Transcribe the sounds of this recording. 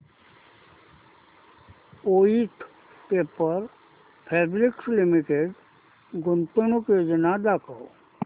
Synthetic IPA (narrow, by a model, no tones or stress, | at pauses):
oːit̪ʰ | peːpəɾ | pʰeːbɾɪkslɪmɪʈeɖ | ɡʊnt̪ʊnuked͡ʒənad̪akəo